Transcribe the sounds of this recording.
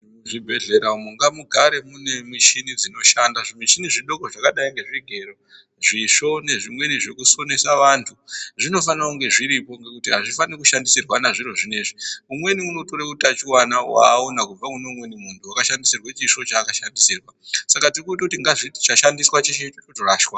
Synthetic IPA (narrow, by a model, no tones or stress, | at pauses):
ʐibʱe̞ɮe̞ɾaumuŋɡamuɡʱaɾe̞mune̞miʃinid͡zino̞ʃandaʐimwiʃiniʐiɗo̞koʐakaɗaiŋɡe̞ʐiɡʱe̞ɾo | ʐiʂo̞ne̞ʐimwe̞niʐe̞kusone̞saʋantʰuʐino̞fanauŋɡe̞ʐiɾipo̞ŋɡe̞kutiɦaʐifanikuʃandisirwanaʐiro̞ʐine̞ʐiumwe̞niuno̞to̞ɾekutat͡ʃiwanawa̰ːonakub͡vamunomwe̞nimuntʰuakaʃandisirwet͡ʃiʂo̞t͡ʃaːkaʃandisiːrwasakatirukuitakutiŋɡaʐiti̥t͡ʃaʃandiswat͡ʃeʃet͡ʃototoraʃwa